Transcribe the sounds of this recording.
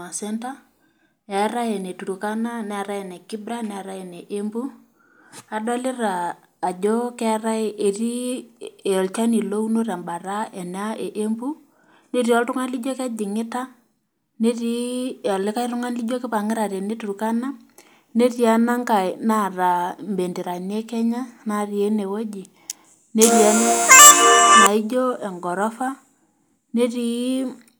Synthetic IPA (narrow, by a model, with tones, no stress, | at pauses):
a˨sɛ˦nta˦ | ɛ˨˦ɾa˦jɛ˨ne˨tu˨ɾu˨ka˦na˦nɛ˨a˨ɾa˦ɛ˨ne˨ki˦bɾa˦nɛ˨a˨ɾa˦ɛ˨ne˨ʔe˦mbu˦ | a˨dɔ˦lɪ˦ɾaː˨ | d͡ʒo˦kɛ˦ɾa˦je˨ri˦e˨ɔ˨lt͡ʃa˦ni˨lo˦u˦no˦ɾa˨mba˨ɾa˦ʔɛ˨na˦e˨ʔe˦mbu˦ | ne˦ɾi˦ɔ˦ltʊ˦ŋa˦nli˦d͡ʒo˦ka˦d͡ʒɪ˨ŋɪ˦ta˦ | ne˦ɾi˦a˨lɪ˦ka˦i˦ɾʊ˦ŋa˦nli˦d͡ʒo˦kɪ˦pa˨ŋɪ˦ɾa˨ɾe˨ne˦tu˨ɾu˨ka˦na˦ | ne˦ɾi˦a˦na˦ŋka˨na˦˨ɾa˨mbe˨ndi˨ɾa˨ni˦e˦kɛ˦ɲa˦na˦˨ɾje˦ne˨wo˦d͡ʒi˨ | ne˦ɾia˦n˦ | na˨i˦d͡ʒo˦ɛ˨ŋɡɔ˨ɾɔ˦fa˦ | ne˦ɾi˦